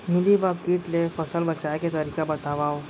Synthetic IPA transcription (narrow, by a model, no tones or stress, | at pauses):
milibab̚kiːʈ̪lefəsəlbət͡ʃajket̪əɾikabət̪aʋaw